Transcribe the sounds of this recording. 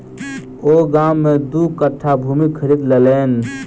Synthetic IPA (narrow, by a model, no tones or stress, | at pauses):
oɡamːed̪ukəʈʰːabʱumikʰəɾid̪leleːn